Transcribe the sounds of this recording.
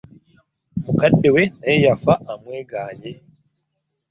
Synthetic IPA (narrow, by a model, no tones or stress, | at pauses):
mukadːewenajejafaʔːmweːɡaːɲe